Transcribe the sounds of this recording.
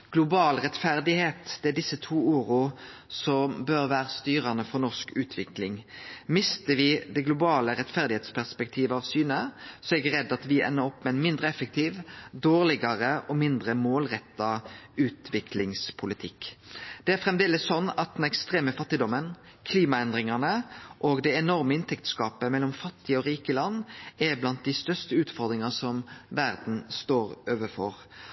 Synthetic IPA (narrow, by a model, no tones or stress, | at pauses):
ɡ̥lʊbɑːlʁɛt̪fæʁd̪ɪheːt̪d̪ɛæɖɪsːət̪ʰuːuːʁʊsɔmbøːʁʋæːʁəst̪yːɾɑnəfɔʁnɔʂkʉːt̪ʰʋɪklɪŋmɪst̪əʋɪd̪ɛɡlʊbɑːləɾɛt̪fæʁd̪ɪheːt̪spʰæʁspɛk̚t̪ʰiːʋəɑʋsyːnəsɔɛɡɾɛd̪ːɑt̪ʋɪʔɛ̰nːəɾɔpːmɛnmɪnd̪ɾəɛfək̚t̪ʰiːʋd̪oːʁlɪɡɑʁəʔɔmɪnd̪ʁəmoːlʁɛt̪ːɑʉːt̪ʋɪkʰlɪŋspʰʊlɪt̪ʰɪkːd̪̥ɛæɾfɾɛmd̪eːləsːɔnːɑt̪̚d̪ɛnɛkst̪ɾeːməfɑt̪ːɪd̪ɔmən | kʰliːmɑɛnd̪ɾɪŋɑnəʔɔɡd̪ɛɛnɔɾməɪnt̪ʰɛkt̪skɑːpəmɛlːɔmfɑt̪ːɪɔɾiːkəlɑnːæblɑnt̪̚d̪ɪst̪œst̪əʉːt̪fɔɾd̪ɾɪŋɑsɔmʋæʁd̪n̩st̪oːɾøːʋəɾfɔʁ